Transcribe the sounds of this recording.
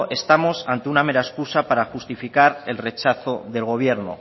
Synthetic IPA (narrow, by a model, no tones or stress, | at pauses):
e̞st̪amo̞sant̪eunameɾaeskusapaɾaxust̪ifikaɾe̞lre̞t͡ʃaθo̞ðe̞lɣ̞o̞β̞je̞ɾno̰